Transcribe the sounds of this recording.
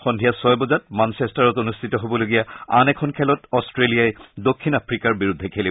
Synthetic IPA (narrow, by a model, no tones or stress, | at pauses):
xɔndʱijasɔjbɔzat̚mansɛstaɹɔtonustʰitɔɦobɔloɡijaa̰nɛkʰɔnkʰɛlɔtɔstɹelijajdokʰːinapʰɹikaɹbiɹudʱɛkʰeli